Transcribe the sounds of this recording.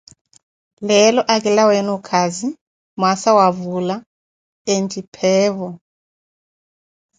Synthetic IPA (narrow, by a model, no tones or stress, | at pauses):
lɛlɔʔak̬ʼilawɛnukʰazi | masawavula | entʼipʰɛːβɔ